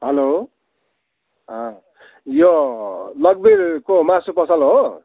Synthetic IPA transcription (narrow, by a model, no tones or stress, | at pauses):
ɦʌlo | ɦʌ̃ | jolʌɡ̚beɾkomasopʌsʌlɦo